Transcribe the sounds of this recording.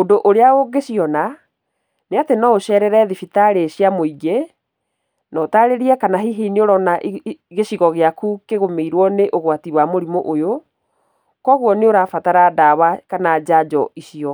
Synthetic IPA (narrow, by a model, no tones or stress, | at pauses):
odoʔoɾeaoɡeɕiɔna | neatenɔoɕɛɾɛɾɛðifitaɾeɕjamoiɡe | nɔtaɾeɾiɛkanaɦiɦinioɾɔnaʔɣeɕiɣɔɣeakukeɣomeiɾwɔneʔoɣwatiwamoɾimoʔojo | kɔɣwɔneoɾaːfataɾadawakanad͡ʑad͡ʒɔiɕiɔ